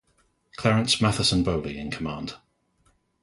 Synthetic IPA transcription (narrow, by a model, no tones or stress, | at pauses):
kʰl̥ɛɹə̃nsmaθəsə̃nbəʊliɪ̰̃nkʰəmɑ̃ːˑnd̥